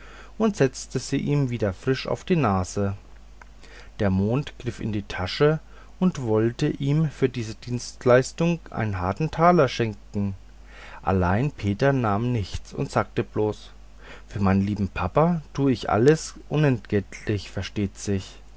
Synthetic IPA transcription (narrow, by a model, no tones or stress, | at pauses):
ʔʊntz̥ɛt͡stəz̥iːʔiːmviːdɐfʁ̥ɪʃa̰ʊfd̥iːnaːzə | d̥eːɐmoːntɡ̥ʁɪfɪ̰ndiːtʰaʃə | ʔʊntv̥ɔltəʔiːmfyːɐdiːzədiːnstlaɪstʊŋʔa̰ɪnənɦaɐtn̩tʰaːlɐʃɛŋkŋ̩ | ʔa̰laɪnpʰeːtɐnaːmnɪçt͡sʊ̰ntz̥aːk̚təbloːs | fyːɐmaɪnənliːbm̩pʰapatʰuːəɪçʔa̰ləsʔʊnɛntɡ̥ɛtʰlɪçfɛɐʃteːtz̥ɪç